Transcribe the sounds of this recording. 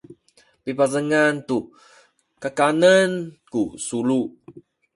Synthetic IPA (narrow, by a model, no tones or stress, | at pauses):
pipazəŋant̪u | kakanənkusulu